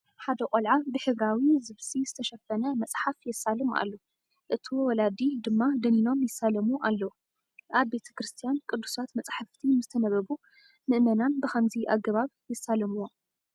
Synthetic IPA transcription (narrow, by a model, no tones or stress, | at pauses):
ħad̪ɐkʼolʕabɨħɨβɾawizɨβsizɨt̪ʰɐʃɐfɐnɐmɐt͡sʼħafjɛsːalɨmʔa̰lːo | ʔɨt̪ʰiwɔwɔlad̪id̪ɨmːad̪ɨnino̞mjɪsːalɐmuʔalːɐwu | ʔaβːe̞t̪ʰɐ̥kɾɨst̪ʰijankʼɨd̪ːusat̪mɐt͡sʼħaft̪ʰimɨzɨt̪ʰɐnɐβɐβu | mɨʔmɐnanbɨxɐmziʔa̰ɡɐβaβjɛsːalɐmuwo